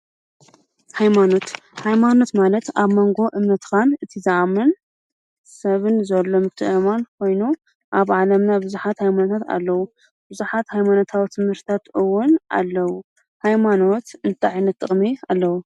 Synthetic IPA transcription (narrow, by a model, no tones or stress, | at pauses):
hajmano̞t̪hajmano̞t̪malɐt̪aβmo̞ŋɡo̞ʔɨmnɐt̪kʰanɨt̪ʰizɨamɐn | sɐβɨnzɐlːomɨt̪ʰːɨɨmankʰo̞jnu | ʔaβʕalɐmnabɨzuħat̪hajmanot̪ʰat̪a̰lːɐwu | b̥ɨzuħat̪hajmano̞t̪ʰawit̪ʰɨmhɨɾt̪t̪ʰat̪ɨwːʊna̰lːɐwu | hajmano̞t̪ɨnt̪ʰaʕajnɐt̪ʰːɨχʼmialːɐwu